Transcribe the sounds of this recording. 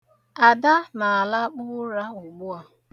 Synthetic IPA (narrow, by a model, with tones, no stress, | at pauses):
a˨da˦na˨a˨la˦k͡pʊ˦ɾa˦ʊ˨ɡ͡bʊ˦a˨